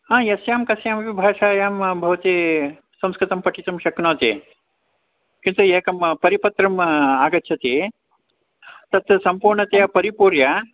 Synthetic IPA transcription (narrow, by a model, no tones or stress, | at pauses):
ɐːjɐsjaːmkɐsjaːmɐʋibʱaːʃaːjaːmbʱɐʋɐt̪i | sɐ̃mskɾɪt̪ɐmpɐʈit̪ɐmʃɐknoːt̪ḛː | kint̪ueːkɐmpɐɾipɐt̪ɾɐmaːɡɐtːt͡ʃʰɐt̪eː | t̪ɐt̪ɐsɐmpuːɾɳɐt̪eɐpɐɾipuːɾja